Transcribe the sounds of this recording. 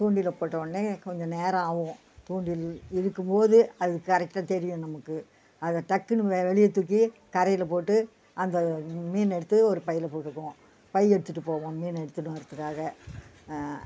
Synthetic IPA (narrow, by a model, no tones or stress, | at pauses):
t̪uːɳɖɪlɐpoːʈːɐʋɐnːekɔɲd͡ʒɔ̃neːɾɐ̃aːʋɯ̃ | t̪uːɳɖɪlɪɽɯkːɯmpoːðɯɐðɯkːɯkɐɾɛk̚ʈaːt̪ɛɾɪjʊ̃nɐmɐkːɯ | ɐðɐʈɐkːɯnɯʋʋɛɭɪjɐt̪ːʊk̬ːikɐɾɐjɪlɐpoːʈːɯ | ʔɐnd̪ɐmiːnɛɽɯt̪ːɯɔɾɯpɐjɪlɐpoːʈːɯkːõː | pɐjɛɽɯt̪ːɯʈːɯpoːʋõːmiːnɛɽɯt̪ːɯnʊ̃ɐɾɐt̪ːɯkːaːɣɐ